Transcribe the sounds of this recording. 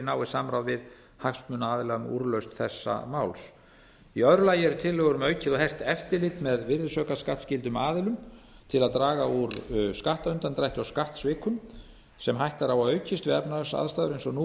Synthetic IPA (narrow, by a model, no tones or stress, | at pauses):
naːwɪsamɾawðvɪð | hakst̪mʏnaaːðɪlaɣʏmṵɾlœɥst̪θɛsːa̰mawls | iœðɾʏlaːjɪɛɾʏt̪ʰɪlːɛɣʏɾʏmœːɥcɪðɔɦɛr̥t̪ɛft̪ɪɾlɪt̪mɛðvɪɾðʏsœːkaskaht̪scɪlt̪ʏmaːðɪlʏm | t̪ʰɪlaðt̪ɾaːɣauɾskaht̪aʏnt̪ant̪ɾajht̪ʏawskaht̪svɪːkʰʏm | sɛmɦajht̪aɾawaðœːɥcɪst̪vɪɛpnasa̰ðst̪aːðʏɾejnsɔnu